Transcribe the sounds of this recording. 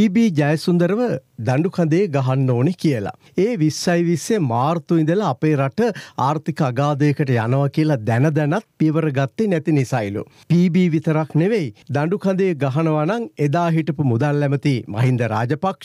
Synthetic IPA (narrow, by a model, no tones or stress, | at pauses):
piːbiːd͡ʒajəsund̪əɾəʋəd̪aɳɖukʰand̪ejəɡaɦanːoːnekijəla̰ | eːʋisːɐjʋisjemaːrt̪uind̪əlaːpeːɾaʈəaːɾt̪ikəaɡaːd̪əjəkəʈəjanəʋakijəlɐd̪ɛnəd̪ɛnat̪̚pijəʋəɾəɡat̪ːenɛt̪inisailṵ | piːbiːʋit̪əɾakneʋejd̪aɳɖukʰand̪ejəɡaɦɐnəʋanaŋed̪aːɦiʈəpumud̪alːɛmət̪imɐ̰ɦind̪əɾa̰ːd͡ʒəpakʂ